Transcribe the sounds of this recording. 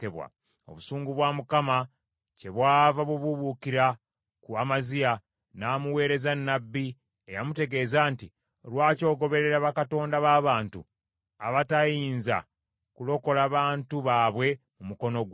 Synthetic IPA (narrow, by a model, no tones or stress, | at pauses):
eβwa̰ | o̞̰βusuːŋɡuβwaːmukama | ce̞βwaːvaβuβuβukiɾa | kuamazija | naːmuwe̞ːɾe̞zanːabːi | ejamute̞ɡe̞ːzaːnti | lwaːco̞ːɡo̞βe̞ɾe̞ɾaβakato̞ːndaβaːβaːntṵ | a̰βatajiːnza̰ | kulo̞ko̞laːβaːntuβaːβwe̞ | mumuko̞no̞ɡ